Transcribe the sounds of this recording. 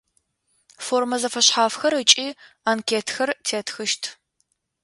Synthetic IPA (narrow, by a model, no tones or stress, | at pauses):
foːrmɐzɐfɐɕħaːfxɐɾɨt͡ʃʼiː | aːnkʲʰeːtʰxɐrtʰeːtʰxɨʃtʰ